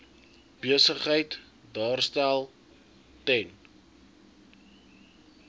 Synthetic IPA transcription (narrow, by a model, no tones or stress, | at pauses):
b̥iəsəχɦəjt | dɑːrstælˠ | tɛn